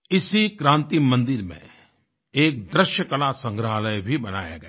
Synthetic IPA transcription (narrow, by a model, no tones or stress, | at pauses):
ɪsikɾãːnt̪imɐ̃nd̪ɪɾmḛ̃ | eːk̚d̪ɾɪʃjəkɐlasɐ̃ŋɡɾəɦləjbʱibɐna̰ːja̰ɡɐ